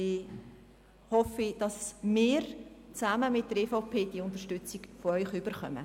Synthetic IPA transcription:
ɪ | hɔfid̥ɑsmɪːɾt͡saməmɪt̚d̥əɾeːfoʊpʰeːd̥iəʊnt̪əʃtʏt͡sikfɔœʏχyb̥ərχœ̰mə̰

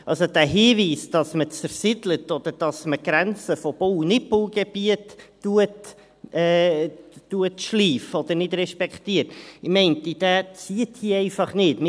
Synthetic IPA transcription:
ʔɑlsod̪̥æːɦiːviːsd̥ɑsmət͡səɾsɪdlət̪ɔd̪̥əɾd̥ɑsməɡ̥ɾænt͡səfɔb̥ownɪpʊlɡ̥eb̥iətː | uət | ɛː | uətʃliːfəɔd̪ənɪd̪ɾɛʃpɛkχtiəɾtɪmɛɪnt̪id̥æt͡siət̪hiɛɪfɑχnɪːtmɪ

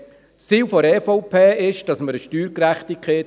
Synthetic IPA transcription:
t͡siːlfɔɾɛːfoʊpʰeːɪʃd̥ɑsməɾəʃtyːɾkɾæχt̪ikχeː

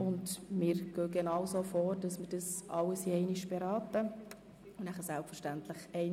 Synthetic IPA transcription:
ʊndmɪːɾɡ̥øːɡɛnɑwsofoːɾd̥ɑsmərd̥ɑsɑləsiɛɪniʃb̥ɛɾɑːtə | ʊnæχəsælpfəɾʃtæntləχɛɪ

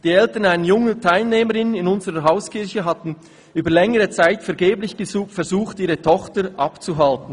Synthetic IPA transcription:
d̥iːɛltənaɪnəjʊŋətʰaɪlneːməʁɪnnɪnʊnzəʁəɦaʊskʰɪʁçəɦɑtn̩ | yːbəlɛŋəʁət͡saɪtfɛɐɡeːblɪçɡ̥əzuːfɛɐzuːχtiːʁətʰɔχtəɾʔɑpt͡suɦaltn̩

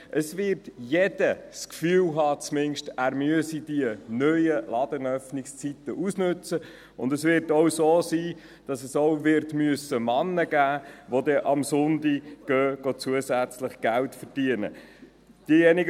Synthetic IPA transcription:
ʔəsvɪrtjɛd̥əskfyːlɦɑːt͡smɪnʃtæːɾmyəsid̥iənœjəlɑd̥ənœfnɪkst͡sit̪əʔusnʉt͡sə | ʊndəsʋɪɾtowsoːsiː | d̥ɑsəsowvɪɾtmyəsəmɑnːəɡæːʋod̪ɛʔɑmsʊnd̪iɡ̥øːɡ̥ot͡suəsæt͡sləχɡ̥æltfərd̥iənə̰ | d̥ijɛniɡ

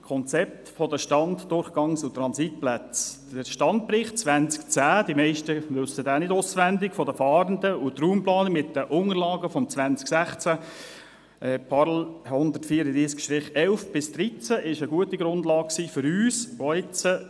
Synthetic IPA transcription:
kʰɔnt͡sɛp̚t̪fɔdəʃtɑntdʊrχɡ̥ɑŋsʊt̪ɾɑnsit̚plæt͡sdəʃtɑnt̚pɾɪχt̚t͡sʋænt͡skt͡sæːd̥imɛɪʃtəʋʏsːədaːnɪdʊsʋændɪɡfɔdəfɑːɾəndəʊtruːmplɑːnəmɪtːəʔʊŋəɾlɑːɡəfɔmt͡svʋænt͡sksæχt͡sæ | ʔɛpʰɑɾl̩hʊnd̪əɾtfiːəɾədɾiːskʃtɾɪχɛlfb̥ɪsd̥̪ɾit͡sæʔɪʃəɡuətiɡɾʊndlɑːk̚ksiːfʏɾyːsɔɪt͡sə

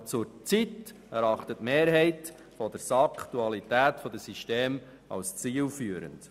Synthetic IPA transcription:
t͡sʊɾt͡sit | æɾɑχt̪ətmeːɾɦɛɪt | fɔd̥əɾsɑktuɑlitæːtfɔd̥̪əsiʃteːm | ɑ̰lst͡siːlfyːəɾə̰nt

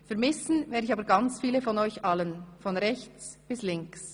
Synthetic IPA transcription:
fɛɐmɪsn̩vɛːdɪçɑːbəɾɡɑnt͡sfiːləfɔnɔʏçɑlənfɔnʁɛçt͡sb̥ɪslɪŋks

